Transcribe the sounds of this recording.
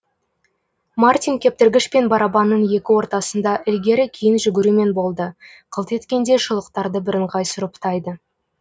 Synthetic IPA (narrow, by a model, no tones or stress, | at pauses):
mart̪ʲijŋkʲʰe̞p̚t̪ɪɾɡʲɪʃpe̞nbɑɾɑbɑnːənje̞kʲɪwo̞ɾt̪ɑsənd̪ɑʔɪlɡʲe̞ɾɪkʲʰijɪnʒʏɡʲɪɾume̞nbo̞lˠd̪ə | qʰəlˠt̪e̞t̪kʲe̞nd̪e̞ʃʊlˠəqt̪ɑɾd̪əbɪɾɪɴqʰɑjsʊɾəpt̪ʰɑjd̪ə